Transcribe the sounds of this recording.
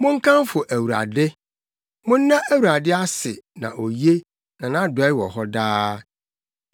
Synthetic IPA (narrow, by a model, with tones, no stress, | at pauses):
mʊ̃˦ŋ̩˦kʰã˦m˦fʊ˨ʔæ˨wu˨ɾa̰˨dɪ˦ | mʊ̃˦nː˦ã˦ʔæ˦wu˨ɾa˨dɪ˦a˦sɪ˨nã̰˨ʔo˨je˦ | nã˨nã˦dʊ˨ɛ˨˦ɪ˦wɔ˨ɦɔ˦daː˦